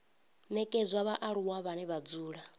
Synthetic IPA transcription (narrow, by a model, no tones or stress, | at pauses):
nɛkʼezʷwaβaʔaɺuwaβanɛβad͡zuːɺa